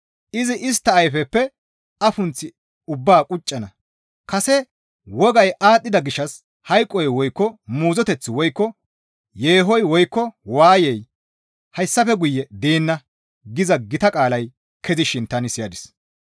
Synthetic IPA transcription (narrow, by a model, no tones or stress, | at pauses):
ʔɪzɪʔɪs̬t̪ːɐːjfɛpːɛ | ɐfʊnt͡sːɪ | ʊbːaːkʼʊt͡ʃʼːɐnɐ | kɐsɛ | wɔɡɐjʔaːt̪ʼːɪd̪ɐɡɪʃːɐs | hɐjkʼːɔjwɔjkːɔmuːzɔt̪ɛt͡sːɪwɔjkːɔ | jeːɦɔjwɔjkːɔwaːjɛj | hɐjsːɐfɛɡʊjːɛd̪eːnːɐ | ɡɪzɐɡɪt̪ɐkʼaːlɐj | kʰɛzɪʃɪnt̪ɐnɪsɪjɐd̪ɪs